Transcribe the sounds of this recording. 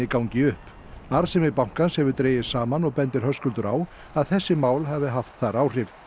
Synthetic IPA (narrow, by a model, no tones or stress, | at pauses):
ɪkawɲcɪʏhp | aɾsɛmɪpawŋ̥kanshɛvʏɾt̪ɾeːjɪ̥saːmanɔɣpɛnt̪ɪɾ̥ɦœskʏlt̪ʏɾa̰ːw | aðθɛsːɪmaːwlɦavɪɦaft̪θaɾaːwr̥ɪv